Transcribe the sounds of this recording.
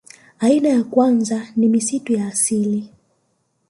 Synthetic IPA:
ainajakwanzanimisitujaːsili

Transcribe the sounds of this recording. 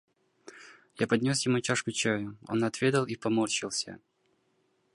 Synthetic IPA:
japɐd̪ʲnʲo̞sjɪmut͡ɕaʂkʊt͡ɕajʊo̞̰nɐt̪vʲed̪əlˠipɐmort͡ɕɪlˠsʲə̰

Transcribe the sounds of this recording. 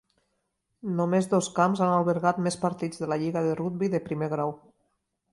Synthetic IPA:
nomezðoskamzanalˠβəɾɣat̪mespəɾt̪id͡zðəlaʎiɣəðərud̪̚biðəpɾimeɣɾaw

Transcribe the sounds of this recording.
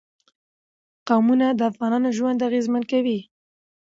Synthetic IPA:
qawmunad̪əafɣɑnɑnoʒwand̪aɣezmankawi

